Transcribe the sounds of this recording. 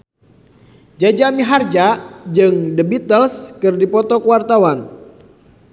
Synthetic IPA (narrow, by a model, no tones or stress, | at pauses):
d͡ʒad͡ʒamiɦard͡ʒad͡ʒɨŋdəbit̪əlskɨrdipɔt̪ɔkəwart̪awan